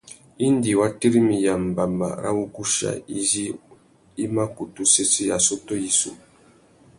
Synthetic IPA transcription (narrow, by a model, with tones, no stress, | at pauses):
i˦n˦di˨wa˦te˦ɾi˦mi˨ja˨m˨ba˨mba̰˨ɾa̰˦wu˦ku˦ʃa̰˨i˦zi˦ | i˦ma˦ku˨tu˦se˦si˦ja˨so˦to˦i˦sṵ˨